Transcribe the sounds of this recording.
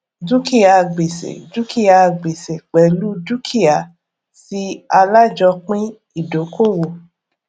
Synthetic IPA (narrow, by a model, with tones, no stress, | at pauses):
d͡ʒu˦ki˦a˧˨ɡ͡be˨sḛ˨d͡ʒu˦ki˦ja˧˨ɡ͡be˨se˨k͡pɛ˨˦lu˦d͡ʒu˦kʰi˦ja˨ | si˦a˧la˦d͡ʒɔ˧k͡pĩ˦ | i˦˨do˨˦ko˦˨wo˨